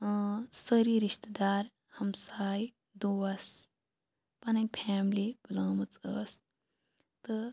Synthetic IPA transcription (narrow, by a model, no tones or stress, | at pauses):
səɾiːɾiʃt̪d̪aːɾ | hɐmsaːj | d̪oɐs | pɐnɐpʰɛːmlib̥əlaːmɨt͡səːs | t̪ɨ